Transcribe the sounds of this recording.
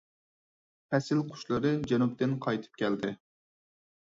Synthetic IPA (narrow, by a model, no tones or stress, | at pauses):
pʰɛsɪlqʰʊ̥ʃlˠɨɾɨd͡ʒɛnup̚t̪ɪnqʰɑjt̪ʰɨ̥p̚kʲʰɛld̪ɪ